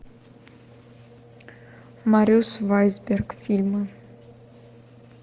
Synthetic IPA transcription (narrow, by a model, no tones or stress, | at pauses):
maɾʲiusvajzberɡfilmə